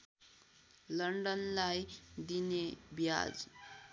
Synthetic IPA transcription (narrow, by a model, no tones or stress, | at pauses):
lʌɳɖʌnlajd̪inebja̰d͡z